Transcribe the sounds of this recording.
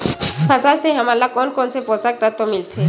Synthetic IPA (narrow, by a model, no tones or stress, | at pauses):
pʰəsalseɦɐmalːakɔːnkɔːnsepõːt͡ʃak̚t̪at̪omɪlt̪ʰe